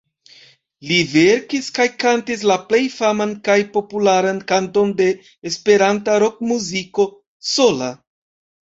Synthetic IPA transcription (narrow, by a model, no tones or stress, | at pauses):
live̞ɾkiskajkantis̬laple̞jfamankajpo̞pulaɾankanto̞nde̞ː | spe̞ɾantaɾo̞k̚muziko̞ | so̞la